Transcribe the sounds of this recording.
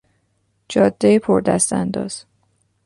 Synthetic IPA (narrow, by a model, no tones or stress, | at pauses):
d͡ʒɒːd̪ːejepʰoɾd̪æ̰st̪æ̰nd̪ɒ̰ːz̥